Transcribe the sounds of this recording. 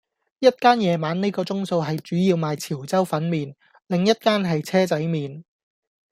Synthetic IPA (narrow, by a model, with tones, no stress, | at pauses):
jɐ˥t̚kaː˥njɛː˨˧maː˨˥nne˥kɔː˧t͡sʊ˥ŋso˧wɦɐ˨jt͡ʃyː˨˥jiː˧wmaː˨jt͡sʰiː˨˩wt͡sɐ˥wfɐ˨˥nmiː˨n | lɪ˨ŋjɐ˥t̚kaː˥nɦɐ˨jt͡sʰɛː˥t͡sɐ˨˥jmiː˨n